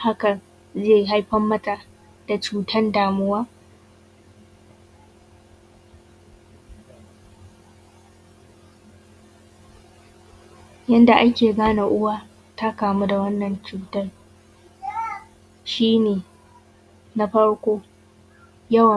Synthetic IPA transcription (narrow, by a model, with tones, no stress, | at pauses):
ha˦kɐ˨ | zeː˦˨jɦa˦jɸɐ˦mːɐ˦ta˨ | d̥a˨t͡ʃuː˦tʰɐ˦ndaː˨mʊ˦waː˦ | jɐ˦nda˨ʔa˦kʲeː˨ɡaː˦na˨ʔʊ˦waː˦ | ta˦kaː˨mu˦da˨wɐ˦nːɐ˨nt͡ʃuː˨tɐ˦r | ʃiː˦neː˨ | na˦ɸɐ˦ɽkʷoː˦ | jɐ˦wɐ˨